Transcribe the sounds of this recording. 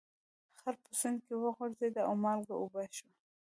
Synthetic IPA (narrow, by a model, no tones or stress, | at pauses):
xaɾpʊsand̪̚kewəɣoʐzed̪aʊmɑlɡaubaʃwa